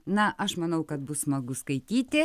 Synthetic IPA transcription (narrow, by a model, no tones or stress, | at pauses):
nɐʔɐʃmɐnɐʊkɐt̪bʊssmɐɡʊskɐɪt̪ʲiːt̪ʲɪ